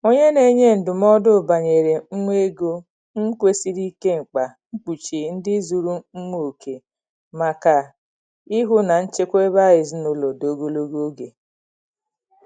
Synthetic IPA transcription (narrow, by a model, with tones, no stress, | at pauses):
o˦ɲe˦ne˨˦ɲe˦n̩˨dʊ˨m˦ɔ˦dʊ˦˨ba˨ɲe˨ɾe˨ŋ͡m̩˦ŋʷe˦ɡo˦ | ŋ̩˦kʷe˦si˦ɾi˦ke˦ŋ͡m̩˨k͡pa˨ŋ͡m̩˦k͡pu˨t͡ʃi˨n̩˦dɪ˦zu˨ɾu˦ŋ͡m̩˦ŋʷo˨o˨kʰe˨ | ma˨ka˨ | i˦ɦʊ˦na˨n̩˦t͡ʃe˦kʷe˦ba˦jɪ˨zi˦nʊ˨lo˨do˨ɡo˦lo˦ɡo˦ɡe˨